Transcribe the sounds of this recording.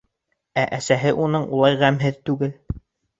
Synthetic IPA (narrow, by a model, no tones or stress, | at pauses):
æʔæsæɦɘʔunɤɴulˠɑjʁæmɦɘðt̪ʉɡɘl